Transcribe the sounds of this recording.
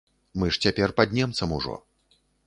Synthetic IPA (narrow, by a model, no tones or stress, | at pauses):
mɨʂt͡sʲapʲɛrpad̪ʲnʲɛmt̪sɐmuʐɔ̰